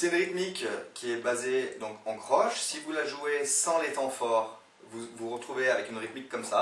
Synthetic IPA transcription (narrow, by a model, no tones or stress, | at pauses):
sɛynʁit̪mikkʲːiɛbazed̪ɔ̃kɑ̃kχɔʃsivulaʒuesɑ̃let̪ɑ̃fɔʁ | vuvuʁət̪χuveavɛkynʁit̪mikːɔmsa